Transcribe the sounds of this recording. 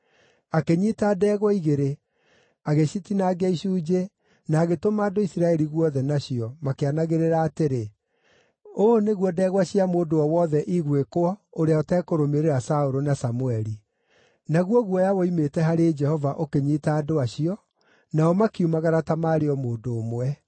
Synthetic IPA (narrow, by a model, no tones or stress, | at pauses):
akeɲiːtadɛːɣwɔiɣeɾe | aɣeɕitinaːɡɛiʃuːd͡ʒe | naːɣetomaːdoisiɾaɛɾiɣwɔðɛnaɕiɔmakeanaɣeɾeɾaːteɾe | oneɣwɔdɛːɣwaɕiamoːdoɔwɔðɛʔiɣwekoɔoɾeaotɛkoɾomeɾeɾasaoɾonasamuɛɾi | naɣwɔɣwɔjawɔimetɛɦaɾed͡ʒɛhɔvaʔokeɲitaːdoaɕiɔ | naɔmakiumaɣaɾatamaːɾeɔmoːdoːmwɛ